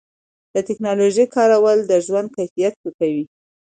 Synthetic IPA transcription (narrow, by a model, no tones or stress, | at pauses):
d̪̥ət̪ɪknɑloʒejkʰɑɾawəld̪əʒwand̪̚kajfijat̪̚wəkawi